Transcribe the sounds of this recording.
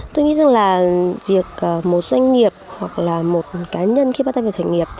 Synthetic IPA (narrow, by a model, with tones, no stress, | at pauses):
t̪o˧jŋḭ˧˥za˨˩ŋlaː˨˩vi˨˩ək̚ʔːmo˨˩t̚zwa˧jŋ̟ŋi˨˩əp̚hwa˨˩k̚laː˨˩mo˨˩t̚kaː˨˦ɲə˧nxi˧ɓaː˧˦t̪aː˧aː˨˩t̪ʰa˧˨˩ŋi˨˩əp̚